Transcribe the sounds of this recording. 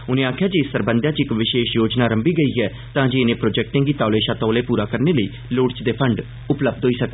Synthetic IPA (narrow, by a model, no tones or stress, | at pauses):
ʊnẽːaːkʰjaːd͡ʒeːɪsːəɾbə̃nd̪jaːt͡ʃɪkʋɪʃeːʃjoːd͡ʒnaːɾəmbiːɡəiːɦɛː | t̪ãːd͡ʒeːɪnẽːpɾoːd͡ʒɛːk̚ʈɪ̃ŋɡiːt̪aːleːʃaːt̪ɔːleːpuːɾaːkəɾneːləiː | lʊːɽt͡ʃd̪eːpʰəɳɖ | ʊpləb̚d̪ɦoːiːsəkd̪